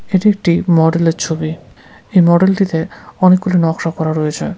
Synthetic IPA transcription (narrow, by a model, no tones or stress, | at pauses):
eʈiek̚ʈimɔɖeleɾt͡ɕʰobi | ejmɔɖelʈit̪eɔnek̚ɡolinɔkʃakɔɾaɾɔjet͡ɕʰe